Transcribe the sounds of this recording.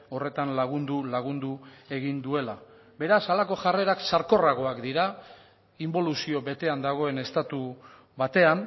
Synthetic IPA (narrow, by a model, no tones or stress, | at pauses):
o̞re̞t̪anlaɣ̞und̪ulaɣ̞und̪ue̞ɣind̪ue̞la | be̞ɾasalako̞ʝare̞ɾaksaɾko̞raɣ̞o̞akd̪iɾa | imbo̞lusio̞βe̞t̪e̞and̪aɣ̞o̞e̞ne̞st̪at̪u | βat̪e̞an